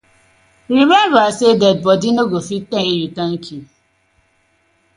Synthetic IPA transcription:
ɾimɛmbasedɛd̚bɔdinoɡofitẽejutaŋ̩kʰi

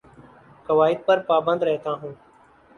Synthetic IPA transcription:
kəʋaːɪd̪̚pəɾpaːbənd̪ɾɛɦt̪aːɦũː

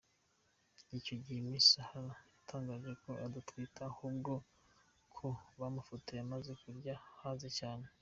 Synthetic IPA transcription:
ico̞ɟihemisahaɾajatʰaːŋɡaːʒe̞ko̞ʔadutwitʰahuːbɡo̞ | kʰoβamufotijamaze̞kuɾɟahaːzecaːne̞

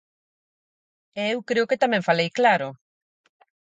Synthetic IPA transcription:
ɛewkɾeʊket̪amɛ̃ɱfalejklaɾʊ

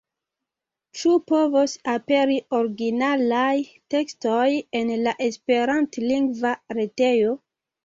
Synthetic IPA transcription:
t͡ʃupo̞vosape̞ɾio̞ɾɡinalaj | te̞kstoje̞nlaʔe̞spe̞ɾantliŋɡvaɾete̞jo̞

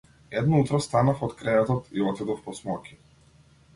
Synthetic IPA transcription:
ɛd̪nɔut̪ɾɔst̪anafɔt̪kɾɛvɛt̪ɔt̪iɔt̪id̪ɔfpɔsmɔkʲʰi̥

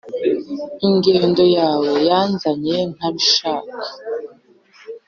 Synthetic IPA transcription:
iŋɡeːndo̞jaːwe̞janzaɲen̥aβiʃaːkḁ

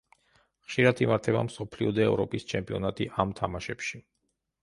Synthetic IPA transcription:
χʃiɾat̪ʰimaɾt̪ʰɛba̰msɔpʰliɔd̪ɛɛvɾɔpʼist͡ʃʰɛmpʼiɔnat̪ʼiʔamt̪ʰamaʃɛpʃi

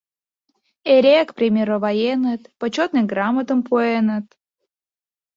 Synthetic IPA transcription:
eɾʲekpɾʲimʲeɾəvɑjenət̪pot͡ɕot̪nɨmɡrɑmət̪əmpuenə̆t̪̚

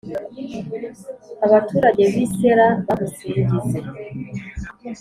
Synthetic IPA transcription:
aβatuːɾaɟe̞βiseɾaβaβusiɾiɟize

